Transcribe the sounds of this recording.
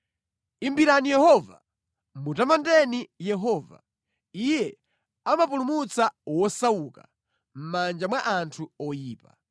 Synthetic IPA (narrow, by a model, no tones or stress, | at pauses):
imbiɾanijɛhɔva̰ | mutamandɛnijɛɦɔːva̰ | ijɛ | amapulumut͡sawɔsawuka̰ | m̩mand͡ʒamwaʔantʰuɔjiːpa